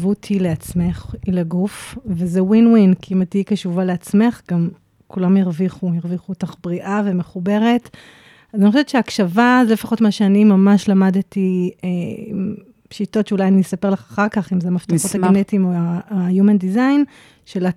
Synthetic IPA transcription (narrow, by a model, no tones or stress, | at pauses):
vutʰileat͡sme̞χileɡufvezewinwinkiimatikaʃuvaleat͡sme̞χɡam | kulamjiʁviχujeʁviχuotaχbʁiʔave̞meχube̞ʁe̞t | azanioʃeɛtt͡ʃʃeakʃavazelefaχotmaʃeanimamaʃlamadtieim | ʃito̞tʃeulajanisape̞ʁlaχaχaʁkaχimzeamaft̪aχotaɡenetimoaajumendizajn | ʃela